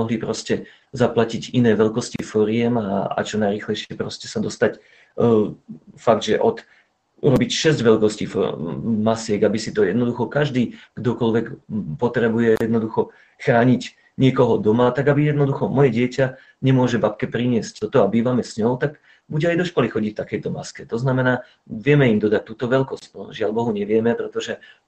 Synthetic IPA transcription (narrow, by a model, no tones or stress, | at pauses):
ɔɦlipɾɔscɛ | zaplacicinɛːʋɛʎkɔscifɔɾɪɛmaa̰t͡ʃɔnajɾiːxlɛjʃɪɛpɾɔscɛsad̪ɔst̪ac | faɡ̚d̪ʒɛʔɔt̪ | ṵɾɔbicʃɛzɟʋɛlkɔscḭːfmasɪɛɡabisit̪ɔjɛd̪nɔd̪uxɔkaʒd̪iːɡ̥d̪ɔkɔlʋɛkpɔt̪ɾɛbujɛjɛd̪nɔd̪uxɔ | xɾaːɲic | ɲɪɛkɔɦɔd̪ɔmat̪aɡabijɛd̪nɔd̪uxɔmɔjɛɟɪɛca | ɲɛmʊɔʒɛbap̚kɛpɾiɲɪɛsc̚t̪ɔt̪ɔabiːʋamɛsɲɔʊt̪aɡ | buɟɛajd̪ɔʃkɔlixɔɟicft̪akɛjt̪ɔmaskɛt̪ɔznamɛnaː | ʋɪɛmɛimd̪ɔd̪at̚t̪uːt̪ɔʋɛlkɔsc̪ɔʒɪalbɔɦuɲɛʋɪɛmɛpɾɛt̪ɔʒɛ